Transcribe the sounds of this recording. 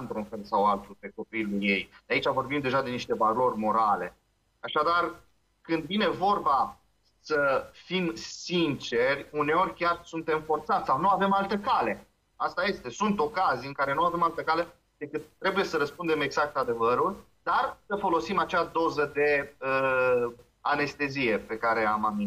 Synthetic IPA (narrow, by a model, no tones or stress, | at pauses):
ɨnt̪ɾunfe̞lsawalt̪upe̞ko̞piluje̞jd̪eait͡ʃavo̞rbimd̪e̞ʒad̪e̞niʃt̪e̞valo̞rʲmo̞ɾale̞̰ | aʃad̪ar | kɨnd̪vine̞vo̞rba | səfimsint͡ʃe̞rʲune̞o̞ɾʲkʲarsunt̪e̞mfo̞rt̪sat̪sʲsawnuave̞malt̪əkale̞ | ast̪aje̞st̪e̞sunt̪o̞kazijɨŋkaɾe̞nuave̞malt̪əkale̞ | d̪̥e̞kɨt̪ːɾe̞buje̞səɾəspund̪e̞me̞ɡz̥ak̚t̪ad̪e̞vəɾul | d̪̥arsəfo̞lo̞simat͡ʃad̪o̞zəd̪e̞ə | ane̞st̪e̞zije̞pe̞kaɾe̞a̰mami